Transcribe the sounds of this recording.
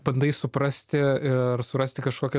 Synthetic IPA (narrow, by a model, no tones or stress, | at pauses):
bɐnd̪ɐɪsʊpɾɐsʲt̪ʲɪɪrsʊɾɐsʲt̪ʲɪkɐʃkoːkʲɛ